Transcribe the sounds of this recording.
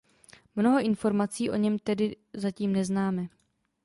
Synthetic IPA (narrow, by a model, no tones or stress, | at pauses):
mno̞ɦo̞ʔɪnfo̞ɾmat͡siːʔo̞̰ɲɛmt̪ɛdɪ | zaciːmnɛznaːmɛ